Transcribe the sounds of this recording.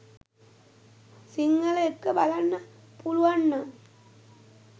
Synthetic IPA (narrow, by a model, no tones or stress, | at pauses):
siŋːələekːəbalanːə | puluʋanːa